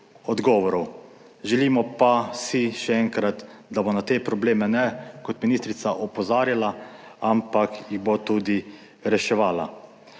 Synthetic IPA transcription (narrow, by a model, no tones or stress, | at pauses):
ɔd̪ɡɔːʋɔɾɔw | ʒɛliːmɔpasiʃɛɛŋkɾat̪d̪abonat̪eːpɾɔbleːmɛnɛkɔt̪minist̪ɾit̪saʔɔpɔzaːɾjala | ampakjiɣbot̪uːd̪i | ɾɛʃɛʋaːla̰